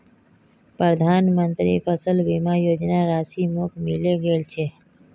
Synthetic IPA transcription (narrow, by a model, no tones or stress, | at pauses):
pɾəd̪ʱaːnmənt̪ɾḭːfəsəlbimajoːd͡ʒnaɾaːsimokmɪleɡeːlt͡ʃʰeː